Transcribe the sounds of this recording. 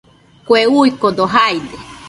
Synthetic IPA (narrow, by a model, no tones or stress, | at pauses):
kʷeuikod̪oɦajd̪e